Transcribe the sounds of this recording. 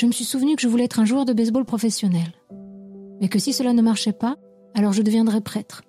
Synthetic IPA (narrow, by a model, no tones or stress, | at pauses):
ʒ̥əməsɥisuvnykəʒəvulɛɛt̪χɛ̃ʒuœʁd̪əbɛzbolpχɔfɛsjɔnɛl | mɛkəsisəlanəmaʁʃɛpa | alɔʁʒəd̪əvjɛ̃d̪ʁɛpχɛt̪χ